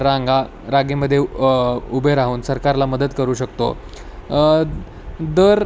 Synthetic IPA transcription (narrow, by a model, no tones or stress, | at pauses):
ɾaŋɡa | ɾaɡeməd̪ʱːjeubʱəɾaɦuːnsəɾkaɾlaməd̪ət̪kəɾuːɕək̚t̪o̰ | d̪əɾ